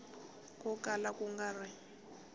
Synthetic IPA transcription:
kɔkalakuŋɡarɪ

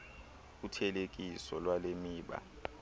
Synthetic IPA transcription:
utʰɛlek̬ʼisɔlwalemiːɓa̰

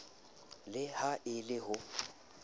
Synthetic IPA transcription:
lɪhaʔɪlɪɦʊ

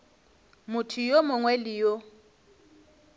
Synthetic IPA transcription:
mʊtʰijomʊŋwɛlijɔ

